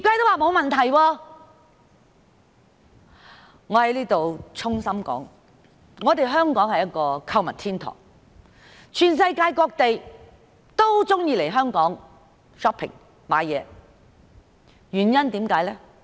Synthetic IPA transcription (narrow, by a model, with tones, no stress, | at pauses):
kaː˧˥jt̪o˥waː˨mo˨˧wmɐ˨nt̪ʰɐ˨˩jwɔː˧ | ŋɔː˨˧hɐ˨˥jliː˥t̪o˨wt͡sʰʊ˥ŋsɐ˥mkɔ̰ː˨˥ŋ | ŋɔː˨˧t̪e˨jɦœː˥ŋkɔː˨˥ŋhɐ˨jɐ˥t̚kɔː˧kʰɐ˧wmɐ˨nt̪ʰiː˥nt̪ʰɔ̰ː˨˩ŋ | t͡ʃʰyː˨˩nsɐ˧jkaː˧jkɔː˧k̚t̪e˨j | t̪o˥wt͡sʊ˥ŋjiː˧le˨˩jɦœː˥ŋkɔː˨˥ŋ | ʂɔː˥pʰːɪ̰˨˩ŋ | ma̰ː˨˥jɛː˨˧ | jyː˨˩njɐ˥nt̪iː˨˥mkaː˨˥jlɛ˥